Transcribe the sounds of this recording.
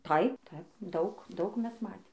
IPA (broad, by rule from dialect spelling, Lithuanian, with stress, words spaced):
ˈtɐɪp ˈtɐɪp ˈdɐʊk ˈdɐʊk ˈmʲɛs ˈmɑːtʲeːm